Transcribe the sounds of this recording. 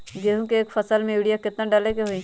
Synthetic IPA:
ɡeːɦũkeeːkfʰɐsəlmẽiɽijakɪt̪naɖɐlekeɦoi

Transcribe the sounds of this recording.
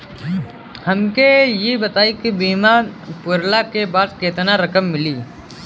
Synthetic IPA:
hɐmkejebɐt̪aːikibiːmapʊɾlakebaːd̪keːt̪naɾɐkəmːɪliː

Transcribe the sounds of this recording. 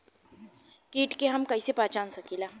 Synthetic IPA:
kiːʈkeɦɐmkɐisepaːt͡ʃaːnsɐkilaː

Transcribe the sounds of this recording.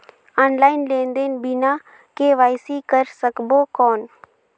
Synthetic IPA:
aːnlaːɪnleːnd̪enbʱina | keʋaːjsikəɾsəkbokɔːn

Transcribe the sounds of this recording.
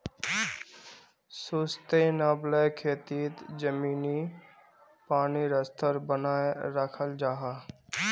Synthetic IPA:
sust̪enaːbləjkʰeːt̪iːt̪d͡ʒəmiːni | paːniɾəst̪ʰəɾbənaːeɾəkʰəld͡ʒaːɦa

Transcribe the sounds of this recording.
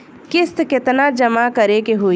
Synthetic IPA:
kɪst̪kɪt̪nad͡ʒəmakəɾekeɦo

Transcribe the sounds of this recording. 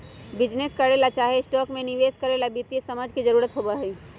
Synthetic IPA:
bɪd͡ʒneskəɾeːlat͡ʃaːɦesʈɔːkmẽnɪʋeːskəɾeːlabit̪ijesɐməd͡ʒkid͡ʒəɾuːɾət̪ɦobaɦɛː

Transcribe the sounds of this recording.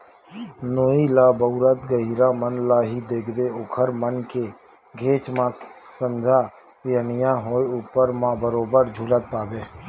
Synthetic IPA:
noːilaːbəʊɾət̪ɡəɦiːɾamənlaːɦid̪eːkʰbeokʰəɾmənke | ɡʱeːt͡ʃmãsə̃nd͡ʒʱaː | jənɪjãɦoːeuːpəɾmãbəɾoːbəɾd͡ʒʱuːlət̪̚paːbeː

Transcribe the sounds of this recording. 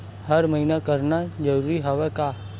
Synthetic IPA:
həɾmɐɦinakəɾnad͡ʒəɾuːɾiɦəʋɛkaː

